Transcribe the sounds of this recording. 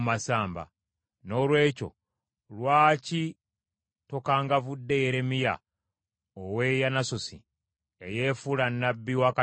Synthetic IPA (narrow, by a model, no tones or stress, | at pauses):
masaːmba̰ | no̞lwe̞ːco̞̰ | lwaːci | to̞kaːŋɡavudːejeɾe̞mija̰ | owe̞janasosḭ | eje̞fulanːabːiwaka